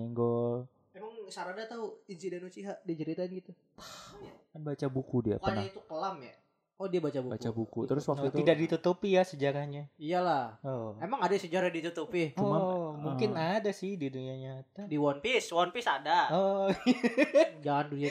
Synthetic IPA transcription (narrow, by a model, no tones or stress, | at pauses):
ɛŋɡɔl | emaŋsaɾadat̪auinsidɛnut͡ʃiɦaʔdiat͡ʃəɾit̪aɪnɡit̪u | t̪ḁjakanbat͡ʃabukudia̰pnait̪ukəlamja̰ | ɔdiabat͡ʃabubakt͡ʃabukut̪əɾʊswak̪ut̪idak̚dit̪ut̪upijasəd͡ʒaɾahɲaijalahɔemaŋadasəd͡ʒaɾadit̪ut̪upit͡ʃuɔanmuŋkɪnadasɪhdiduɲaɲat̪adiwɔnpɪswɔnpɪsadaɔ | d͡ʒanduja